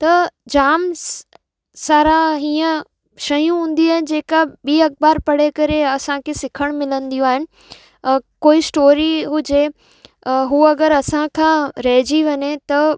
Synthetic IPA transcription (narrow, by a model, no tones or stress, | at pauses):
t̪ɐd͡ʑaːm | saːɾaɦiːə̃ | ʃɐjũɦũːn̆d̪iaːɦɪn̆d͡ʑeːkabiːɐk̚baːɾpɐɽ̤ekɐɾeɐsãkʰesɪkʰəɽ̃mɪlə̃nd̪ijũaːɦɪnɪ̆ | koːisʈoːɾiɦʊd͡ʑe | ɦuɐɡəɾɐsãkʰãːɾɐɦɪd͡ʑiʋɐɲet̪ɐ